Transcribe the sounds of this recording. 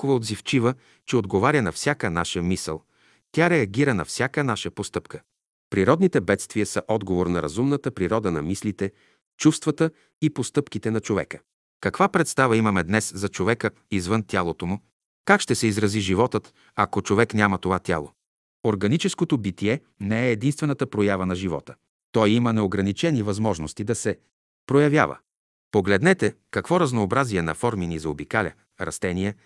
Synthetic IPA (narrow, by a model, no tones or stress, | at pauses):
kovɐod̪zift͡ʃivə | t͡ʃɛod̪ɡovaɾʲənɐfsʲjakənaʃəmisə̰lˠ | t̪ʲaɾɛɐɡʲiɾənɐfsʲjakənaʃəpost̪ɤpkə̥ | pɾiɾɔd̪nit̪ɛbɛt̪st̪viəsəʔɔd̪ɡovoɾnɐɾɐzumnət̪əpɾiɾɔd̪ənɐ̰mislit̪ɛ | t͡ʃufst̪vɐt̪ə | ipost̪ɤpkit̪ɛnɐt͡ʃovɛ̰kə | kɐkvapɾɛt̪st̪avəimɐmɛd̪nɛszɐt͡ʃovɛkə | izvɤnt̪ʲalˠot̪omʊ | kakʃt̪ɛsɛizɾɐziʒivɔt̪ət̪ | ɐkot͡ʃovɛknʲamət̪ovat̪ʲa̰lˠo̰ | oɾɡɐnit͡ʃɛskot̪obit̪iɛ | nɛɛːd̪inst̪vɛnət̪əpɾojavənɐʒivɔ̰t̪ə̥ | t̪ɔjimənɛoɡɾɐnit͡ʃɛnivɐzmɔʒnost̪id̪ɐsɛ | pɾojɐvʲja̰və̰ | poɡlɛd̪nɛt̪ɛ | kɐkvɔɾɐznoːbɾaziɛnɐ̰fɔɾminizɐobikalʲɐ̰ | ɾɐ̰st̪ɛniɛ